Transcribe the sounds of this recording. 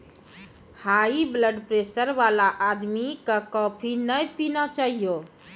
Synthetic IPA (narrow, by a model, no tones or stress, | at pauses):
haibləɖpɾesəɾʋalaʔːd̪mikəkɔpʰinəjpinat͡ʃaɦijo